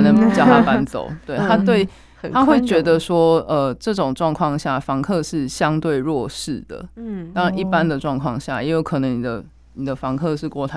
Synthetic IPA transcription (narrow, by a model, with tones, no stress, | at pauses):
nə˨˦ŋpu˧˨˩t͡ɕjɑ˥˨ʊt̪a˥pa˦˥nt͡so̰˨˩˦ʊt̪we˥˩ɪt̪ʰa˥t̪we˥˨ɪ | tʰa˥xwe˥˩ɪt͡ɕɥɛ˧˥d̪ə˨ʂwɔ˥ə˨ʈ͡ʂɤ˥˩ʈ͡ʂʊ˨˩ŋʈ͡ʂwɑ˥˧ŋkʰwɑ˥˧ŋɕja˥˩fɑ˧˥ŋkʰɤ˥˧ʂɻ̩˥˩ɕjɑ˦ŋt̪we˥˧ɪɻwɔ˥˨ʂɻ̩˥˩d̪ə̰˩t̪ɑ˥ŋɻa˨ni˥˩pa˦nd̪ə˨ʈ͡ʂwɑ˥˧ŋkʰwɑ˥˧ŋɕja̰˥˩jɛ˧˥jo˧˥ʊkʰɤ˨˩nə˧˦ŋni˨˩d̪ə˦ | ni˨˩d̪ə˩˦fɑ˧˦˥ŋkʰɤ˥˧ʂɻ̩˥˧kwɔ˥˩t̪ʰa˧